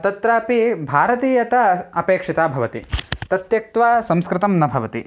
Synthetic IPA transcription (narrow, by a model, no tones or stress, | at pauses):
t̪ɐt̪ɾaːpibʱaːɾɐt̪iːjɐt̪ɐɐpeːkʂit̪aːbʱɐʋɐt̪ḭt̪ɐt̪jɐk̚t̪ʋaːsɐmskɾɪt̪ɐmnɐbʱɐʋɐt̪ḭ